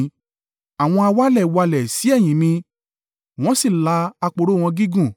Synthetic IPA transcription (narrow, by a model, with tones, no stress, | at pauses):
a˨w̃ɔ̃˧a˧wa˦lɛ˦˨wa˧lɛ˨si˨˦ɛ˦˨j̃ĩ˨˦nĩ˧ | w̃ɔ̃˦si˦˨la˨˦a˧k͡po˧ɾo˦˨w̃ɔ̃˧ɡi˦ɡũ˦˨